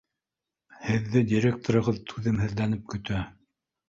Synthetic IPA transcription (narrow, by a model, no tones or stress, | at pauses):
hɘ̆ðːɘdʲiɾʲek̚t̪oɾɤ̆ʁɤðt̪ʰʉðɘmɦɘ̆ðlænɘp̚kɵ̆t̪æ